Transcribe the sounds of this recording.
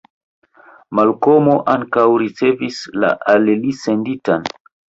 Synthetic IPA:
malko̞moʔaŋkawɾit͡se̞visla̰ʔallise̞nditan

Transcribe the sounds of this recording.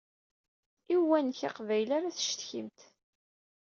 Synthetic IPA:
iwænçaqvæjlaɾaθə̥ʃt̪çimt̪

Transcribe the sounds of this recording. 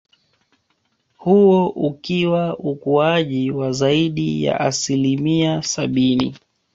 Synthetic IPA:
huɔʔukiwaukuaʄiwazaiɗija̰ʔasilimiasaɓinḭ

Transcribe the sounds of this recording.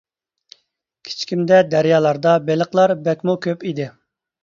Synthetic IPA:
kʲʰi̥t͡ʃkʲimd̪ɛd̪æɾjɑːlˠɑɾd̪ɑbelˠəqlˠɑɾbɛkʲmukʲʰøpid̪ɪ

